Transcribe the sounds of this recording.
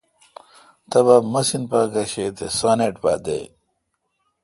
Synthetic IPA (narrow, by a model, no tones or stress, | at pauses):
t̪ɐβamɐsinpaːɡɐɕet̪esaːneʈba̰d̪ḛ